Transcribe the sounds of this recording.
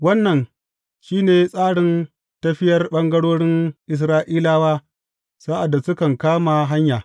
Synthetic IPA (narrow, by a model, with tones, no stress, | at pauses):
wɐ˦nːɐ˨n | ʃiː˦neː˨sʼaː˦ɽɪ˨n | tɐ˦ɸɪ˦jɐ˦rɓɐ˦ŋɡɐ˦ɽoː˦ɽɪ˦nʔɪ˨s̬ɾaː˦ʔiː˦laː˦waː˦ | sa˦ʔa˨dːa˨sʊ˦kɐ˨ŋkaː˦ma˨ɦa˦ɲjaː˨